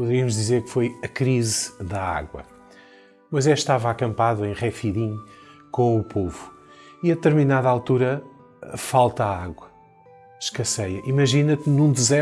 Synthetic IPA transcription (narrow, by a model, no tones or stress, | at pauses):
puðɾiɐmuʒðizeɾkfojɐkɾizðɐa̰ɣwɐ̰ | mɐzɛʃt̪avɐakɐ̃mpaðuẽj̃ʁɛfiðĩɲkõupovu | iɐðɨt̪ɨɾminaðɐalˠt̪uɾɐ | falˠt̪aaɣwɐ | ʃkɐsɐjɐʔimɐʒinɐt̪nũd̪ɨzɛ